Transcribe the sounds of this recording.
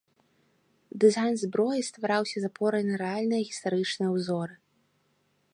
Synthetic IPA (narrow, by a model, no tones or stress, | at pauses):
d̪ɨzajnzbɾɔjist̪vaɾawsʲɐzapɔɾɐjnɐɾɛalʲnɨjɐɣʲist̪aɾɨt͡ʂnɨjɐwzɔɾɨ